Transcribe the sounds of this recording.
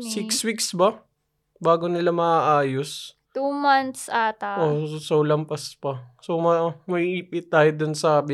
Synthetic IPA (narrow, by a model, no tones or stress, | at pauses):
sɪkswiksbɐ | baːɡonɪlamɐʔaːʔaːjos | t̪umant̪saːt̪ɐʔosolɐmpɐspɐsomɐmɐiʔiːpɪt̪ːaːjod̪onsabɪ